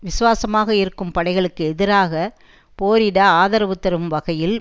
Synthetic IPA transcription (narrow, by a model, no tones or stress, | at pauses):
ʋɪsɯʋaːsɐmaːɣɐɪɾɯkːɯmpɐɽɐɪɣɐɭɯkːɯɛðɪɾaːɣɐ | poːɾɪɽaːaːðɐɾɐʋɯt̪ːɐɾɯmʋɐɣɐjɪl